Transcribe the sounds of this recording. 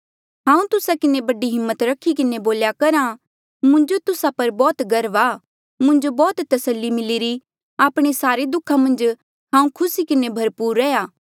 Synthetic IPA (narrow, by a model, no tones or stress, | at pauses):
ɦãːũt̪ʊsakɪnebɐɖiɦɪmːət̪ɾɐkʰikɪneboːljakɐɾã | mʊ̃nd͡ʒot̪ʊsapɐɾbɔːt̪ɡɐɾʋaː | mʊ̃nd͡ʒobɔːt̪t̪ɐsəlːimɪliɾi | aːpɽ̃esaːɾed̪ʊkʰːamɐ̃nd͡ʒ | ɦãːũkʰʊsikɪnebʱɐɾpuːɾːɛjaː